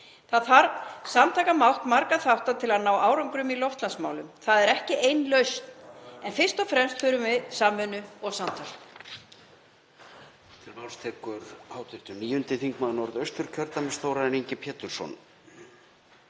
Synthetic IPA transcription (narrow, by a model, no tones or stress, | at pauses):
θaðaɾsamt̪ʰaːkamawht̪maɾkaθawht̪at̪ʰɪlaðnaːwaːwɾɔwŋkɾʏmilɔft̪lansmaːwlʏmθaðɛɾɛhcɪʔejnlœɥst̪nɛnfɪr̥st̪ɔfɾɛmst̪fʏːɾʏmvɪðsaːmʏnʏɔɣsamt̪ʰa | t̪ʰɪlmawlst̪ʰɛːkʏɾ̥haːwt̪ʰʏɾt̪ʏmniːjʏnt̪ɪθiŋkmaðnɔɾðœɥst̪ʏɾ̥cʰœɾt̪amɛst̪owɾaðɛniɲcɪpʰɛːt̪ʏɾ̥sɔ̰n